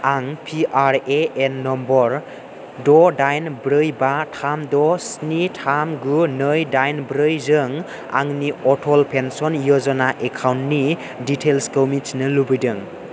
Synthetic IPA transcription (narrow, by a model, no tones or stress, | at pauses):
aŋpʰiʔaɾeenːɔmbɔɾ | dɔdajnbɾɯjbatʰamdɔsnitʰamɡunɯjdajnbɾɯjzɯŋ | a̰ŋniɔtʰɔlpʰensɔnjɔzɔnaʔekʰawntːi | ditʰelskɔwmit͡ʃnɯlubɯjdɯŋ